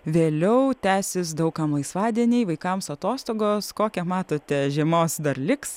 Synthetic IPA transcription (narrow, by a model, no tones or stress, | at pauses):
ʋʲeːlʲɛʊt̪ʲæːsʲɪs̬d̪ɐʊkɐmlˠɐɪsʋɑːd̪ʲiɛnʲeːʋɐɪkɐmsɐt̪oːst̪oːɡoːskoːkʲɛmɑːt̪oːt̪ʲɛʒʲiɛmoːsd̪ɐrlʲɪks